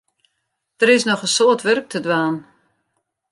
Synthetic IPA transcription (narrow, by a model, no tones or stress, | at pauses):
d̥əɾɪsnɔχəsoːətʋørk̚tʰədʋaːn